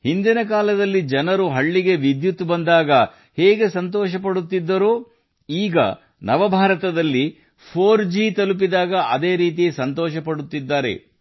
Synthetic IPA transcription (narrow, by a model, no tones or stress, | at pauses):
hind̪inɐk̬aːlɐd̪ɐlːid͡ʒɐnɐɾuɦɐɭːiɡe̞ʋid̪jut̪ːbɐnd̪aːɡɐ | hɛːɡe̞sɐnt̪ɔːʃɐpɐɽut̪ːid̪ːɐɾu | iːɡɐ̰ | nɐʋɐbʱaːɾɐt̪ɐd̪ɐlːi | pʰoːɾd͡ʒiːt̪ɐlup̬id̪aːɡɐʔɐd̪e̞ːɾiːt̪̬ijesɐnt̪ɔːʃɐpɐɽut̪ːid̪ːaːɾe̞̰